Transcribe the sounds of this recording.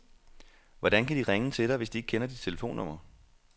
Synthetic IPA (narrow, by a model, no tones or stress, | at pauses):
ʋɒd̥ænkʰæd̥iʁeŋət͡sʰe̝d̥ɐʋe̝sd̥ie̝ɡ̥̚kʰenɐd̥id̥t͡sʰe̝ləfo̝̰ːnːɔ̽m̰ɐ